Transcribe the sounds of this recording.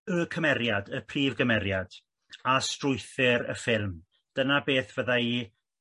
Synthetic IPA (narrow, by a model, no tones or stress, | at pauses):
əkʰəmɛɾjadəpʰriːvɡəmɛɾjad̥ | astrʊjθɪɾə̰fɪlˠm | d̥ənabeːθv̥əðai